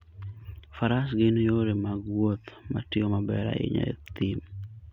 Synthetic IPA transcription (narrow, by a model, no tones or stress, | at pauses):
faɾasɡenjoɾemaɡwot̪ma̰tɪomabɛɾa̰ɪ̰ɲa̰ḛt̪ɪm